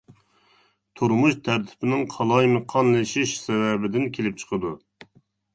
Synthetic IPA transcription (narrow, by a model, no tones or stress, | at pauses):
t̪ʰuɾmuʃt̪ʰæɾt̪ʰɪ̥pʰɪnɪŋqʰɑlˠɑjmɨqʰɑnlɨʃiʃsɛwɛbɪd̪ɪnkʲʰelɪp̚t͡ʃʰə̥qʰəd̪u